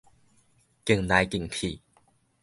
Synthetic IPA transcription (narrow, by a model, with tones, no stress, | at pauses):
ki˨˩˨ŋna˨˧˦jki˨˩ŋpʰi˨˩˨